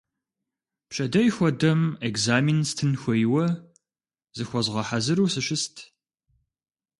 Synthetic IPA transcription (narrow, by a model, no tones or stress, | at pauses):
pɕʼɐdɐjxʷɔdɐmekzaːminstʰɨnxʷɔjwɐ | zɨxʷɔzʁɐħazɨɾuːsɨɕʷɪstʰ